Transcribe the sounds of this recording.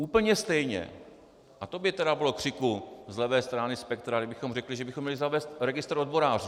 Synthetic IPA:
uːpl̩ɲɛst̪ɛjɲɛ̰ | ʔat̪o̞bɪt̪ɛdabɪlo̞kr̝̥ɪkuzlɛvɛːst̪ɾaːnɪspɛk̚t̪ɾaɡdɪbɪxomrɛklɪʒɛbɪxomːɲɛlɪzavɛːst̪ɾɛɡɪst̪ɾo̞d̪bo̞ɾaːr̝u

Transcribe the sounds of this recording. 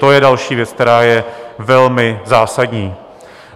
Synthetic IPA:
t̪ojɛdalʃiːvjɛt͡sk̚t̪ɛɾaːjɛvɛlmɪzaːsadɲiː

